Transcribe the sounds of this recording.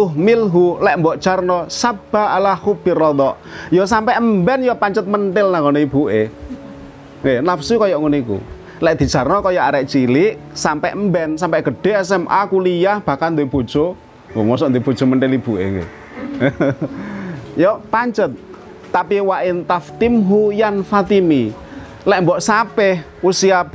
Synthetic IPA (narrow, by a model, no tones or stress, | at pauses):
t̪ʊɦmilɦulɛʔmbɔʔd̥t͡ʃarnɔsab̥aalahub̥irɔd̪ɔʔ | jɔsampɛʔmbɛnjɔpaɲt͡ʃət̪̚mənʈɪlnaŋɡonɔib̥uʔe | ŋɡenafsukɔjɔʔŋunikṵ | lɛʔd̪̥i̤dd͡ʒ̥a̤rnɔkɔjɔʔaɾɛʔt͡ʃiliʔ | sampɛʔmbɛnsampɛʔɡ̥ə̤ɖ̥e̤ɛsɛmʔa̰kulijahb̥a̤kalnd̪b̥o̤d̥ʒ̥o | ŋoŋɔsɔʔnd̪ob̥o̤d̥ʒ̥o̤məɳʈɪlib̥uʔḛŋɡḛ | jɔpaɲt͡ʃət̪̚ː | apiwaʔɪnt̪aft̪imɦujanfat̪imi | lɛʔmbɔʔsapɛh | usiab